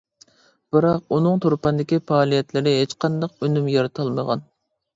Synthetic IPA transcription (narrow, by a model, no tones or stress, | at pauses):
b̥ɨɾɑq̚unɨŋt̪ʰoɾpɑnd̪ɪkʲipɑːlˠijɛt̪lɪɾɪɦet͡ʃqʰɑnd̪ɑqønymjɑɾɨt̪ʰɨlˠməʁɑ̰n